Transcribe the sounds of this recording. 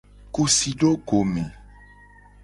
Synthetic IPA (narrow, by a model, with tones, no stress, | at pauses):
ku˨si˨ɖo˦ɡo˨mẽ˨